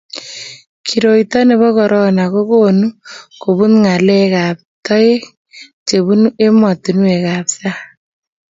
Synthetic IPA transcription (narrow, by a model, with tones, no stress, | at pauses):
kʰi˨ɾo˨i˨tɔ˦ne˨βɔ˦kɔ˨ɾʔɔ˦na˨ko˦ko˦nu˦ko˨bu˦nŋa˨lɛ˦ka˨p̚tɔ˦e˦ | t͡ʃe˨βu˦ne˦mɔ˨tu˨n˦we˨ka˨psa˦